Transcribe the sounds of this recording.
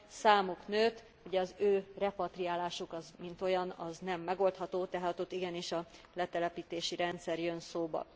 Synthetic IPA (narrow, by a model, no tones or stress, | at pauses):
saːmuknøːt̪ | uɟɛɒzøːrɛpɒt̪rijaːlaːʃukɒzmint̪o̞jɒnɒznɛmːɛɡo̞lt̪hɒt̪oːt̪ɛɦaːt̪ot̪ːiɡɛniʃɒlɛt̪ɛlɛpiːt̪eːʃiɾɛnt̪sɛrjønsoːbɒ̰